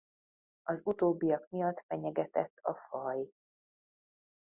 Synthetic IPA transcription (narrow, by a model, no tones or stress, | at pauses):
ɒzut̪oːbːijɒkmijɒt̪ːfɛɲɛɡɛt̪ɛt̪ːɒfɒj